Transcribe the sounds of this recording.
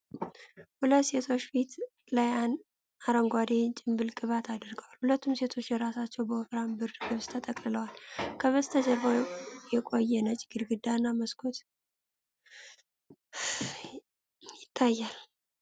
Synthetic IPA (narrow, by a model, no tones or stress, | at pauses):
hulət̪ːse̞t̪ʰo̞t͡ʃːfit̪ | lajan | aɾəŋɡʷad̪et͡ʃʼɪmbɨlkʼɨβat̪ʰad̪əɾɡəwalhulət̪ːumse̞t̪ʰo̞t͡ʃːjɛɾasat͡ʃːɛwbəɔfɾambɨɾɡɨβst̪ʰət̪ʼəkʼlɨləwalkʰəβəst̪ʰəd͡ʒɛβajɛkʼo̞jːɛnət͡ʃʼɪɡɨɾɡɨd̪ːanːaməskʰot̪ | jɪt̪ʰːajːal